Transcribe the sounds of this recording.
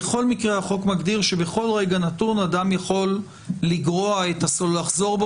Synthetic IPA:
eχo̞lmikʁeaχo̞kmaɡd̪iʁʃe̞beχo̞lʁeɡanat̪uʁnad̪amjaχo̞lː | iɡʁoaet̪asollaχzo̞ʁb

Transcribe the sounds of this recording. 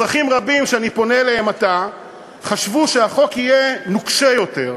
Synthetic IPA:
ʁaχimʁabimʃeanipo̞neleɦemata | χaʃvuʃeaχo̞kijenukʃejo̞te̞ʁ

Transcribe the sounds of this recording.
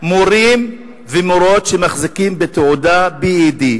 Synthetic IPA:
moɾim | vemoɾo̞t̪ʃemaχzikimbet̪eodabiːd̪i

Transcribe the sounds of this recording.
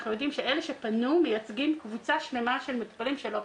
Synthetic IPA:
χnujo̞d̪imʃeʔeleʃepanumejat͡sɡimkvut͡saʃnemaʃe̞lmekpalimʃelo

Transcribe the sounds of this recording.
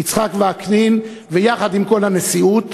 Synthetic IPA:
it͡sχakveaknin | vejaχad̪imko̞lhamesiut

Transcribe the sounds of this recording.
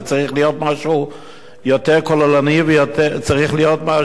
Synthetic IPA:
t͡saʁiχlijotmaʃu | jotɛʁkɔlalanivjotɛt͡saʁiχlijotma

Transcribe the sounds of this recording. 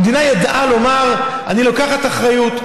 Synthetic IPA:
d̪inajad̪ʔalo̞maʁ | anilokaχat̪aχʁajut

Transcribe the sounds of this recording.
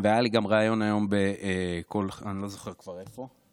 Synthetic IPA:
veajaliɡamʁaːjo̞najo̞mbekolanilo̞zoχe̞ʁkv̥aʁe̞fo̞

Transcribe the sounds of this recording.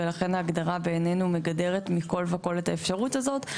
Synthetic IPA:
elaχenhaːɡdaʁabe̞ːne̞nume̞ɡade̞ʁetmiko̞lveko̞letaefʃaʁutazo̞t

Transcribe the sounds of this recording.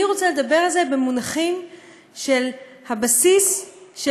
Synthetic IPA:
iʁo̞t͡saled̪abe̞ʁalze̞bemunaχim | ʃel | habasisʃ

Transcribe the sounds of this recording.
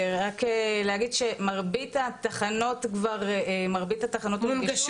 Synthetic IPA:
ʁakelehaɡidʃemaʁbitat̪aχano̞tkvaʁmaʁbithataχano̞tmɡ

